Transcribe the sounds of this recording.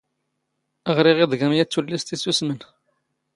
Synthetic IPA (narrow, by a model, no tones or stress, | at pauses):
æʁɾiʁiðˤɡæmjæt͡sːulːist̪isusmən